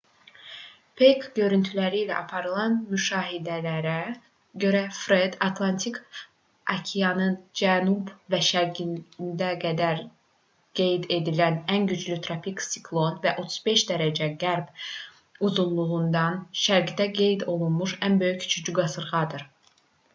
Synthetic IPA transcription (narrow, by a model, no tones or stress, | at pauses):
pʰejkɟø̞ɾynt̪ʰylæɾilæ̰ʔɑpʰɑɾɯlˠɑnmyʃɑːɦid̪ælæɾæ | ɟø̞ɾæfɾed̪ɑt̪ʰlˠɑnt̪ʰikʰ | ɑcʰijɑnɯnd͡ʒænubvæʃæɾɡinnd̪æɡæd̪æɾ | ɡ̥e̞jd̪e̞d̪ilænænɟyd͡ʒlyt̪ʰɾopiksi̥kʰlˠo̞nvæʔo̞t̪ʰu̥z̥be̞ʃd̪æɾæd͡ʒæɡæɾb | uzunlˠuʁund̪ɑnʃæɾɡid̪æɡe̞jd̪o̞lˠunmuʃænbø̞jyct͡ʃʰyd͡ʒyɡɑsɯɾʁɑd̪ɯɾ